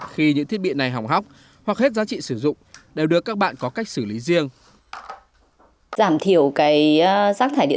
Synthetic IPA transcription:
xi˧ɲɨ̰˧˥ŋt̪ʰi˦˥əɓḭ˧˨ə˨na˨˩jɦa˨˩wŋ͡mɦa˦˥wk͡p̚ | hwa˨˩k̚he˦˥t̚zaː˨˦t͡ɕḭ˧˨sɨ˧˩zʊ̰˧˨ŋ͡mɗe˨˩wɗɨ˨˩əkaː˦˥k̚ɓa̰ː˧˨nkɔ˨˦ka˦˥k̚sɨ˧˩li˨˦zi˧əŋ | zaː˧˩mt̪ʰi˧˩əwkaː˨˦jzaː˦˥k̚t̪ʰaː˧˩jɗḭ˧˨

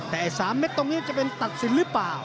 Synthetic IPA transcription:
t̪ɛː˨˩ʔa˧˩saː˩˦mne˦˥t̚t̪o˧ŋniː˦˥t͡ɕa˨˩pe˧nt̪a˨˩t̪̚si˨˩˦nlɯː˦˥plaː˨˩w

